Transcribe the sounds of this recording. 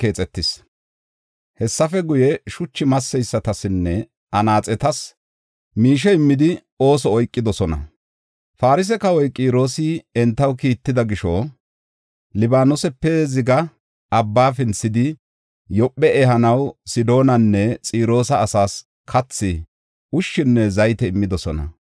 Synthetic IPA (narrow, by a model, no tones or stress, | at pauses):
ke̞ːt͡sʼɛt̪ːɪs | hɛsːɐfɛɡʊjɛʃʊt͡ʃːɪmɐsːɛjsːɐt̪ɐsɪnːɛ | ɐnaːt͡sʼɛt̪ɐs | miːʃ̬ɛɪmːɪd̪ɪ | o̞ːsɔːjkʼːɪd̪ɔsɔnɐ̰ | faːɾɪs̬ɛkɐwɔjkʼiːɾo̞ːsɪɛnt̪ːɐwkiːt̪ːɪd̪ɐɡɪʃo | lɪbaːnɔsɛpːɛzɪɡɐ | ʔɐbːaːfɪnsɪd̪ɪ | jɔpʼːɛɛɦɐnɐwsɪd̪o̞ːnɐnːɛt͡sʼiːɾo̞ːsɐːsaːs | kʰɐt͡sːɪ | ʊʃːɪnːɛzɐjt̪ɛɪmːɪd̪ɔsɔnɐ̰